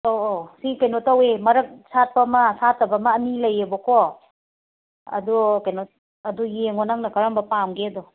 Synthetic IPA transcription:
oʔosikɐjnotawemɐɾɐk̚sat̚pɐmɐsatɐbamaːnilɐjebɔko | ɐ̰dukajnot̚ | ɐdujeŋɔnaŋnɐkaɾambɐpamɡedɔ

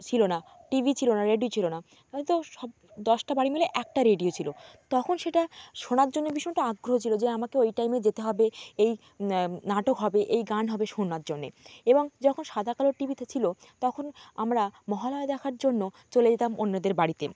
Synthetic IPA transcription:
t͡ɕʰilonaʈibʱit͡ɕʰilonaɾeɖiot͡ɕʰilona | ɔit̪oʃɔb | d̪ɔʃʈabaɽimeleʔɛk̚ʈaɾeɖiot͡ɕʰilot̪ɔkʰonʃeʈaʃonaɾd͡ʑonːeɾbiʃɔeʈaaɡːɾoɦot͡ɕʰilod͡ʑeamakeojʈajmed͡ʑet̪eɦɔbeej | naʈokɦɔbeʔejɡanɦɔbeʃonaɾd͡ʑonːḛeboŋd͡ʑɔkʰonʃad̪ʱakaloɾʈibʱit̪ʰet͡ɕʰilo | t̪ɔkʰonamɾamɔɦalɔed̪ɛkʰaɾd͡ʑonːo | t͡ɕoled͡ʑet̪amonːad̪eɾbaɽit̪e

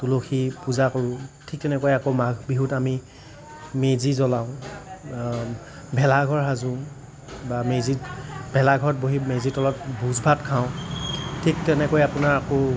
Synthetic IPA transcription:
tuloxʰipuzakoɹʊ̃tʰik̚tɛnɛkojakomaɡʱbiɦutami | mezizɔlaʊ̃ | bʱɛlaɡʱɔɹɦazʊ | bamezitbʱɛlaɡʱɔɹɔt̚boɦimezitɔlɔt̚bʱuzbʱatkʰaʊ̃tʰik̚tɛnɛkojapʊnaɹako

